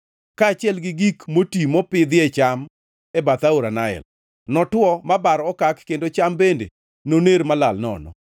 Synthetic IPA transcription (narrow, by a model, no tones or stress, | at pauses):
kaːt͡ʃɪɛlɡɪɡikmotimɔpɪd̪ɪɛt͡ʃam | ɛbat̪auɾanaɛ̰l | nɔtwɔmabaɾɔkakːendot͡ʃambendḛ | noneɾmalalnɔ̰nɔ̰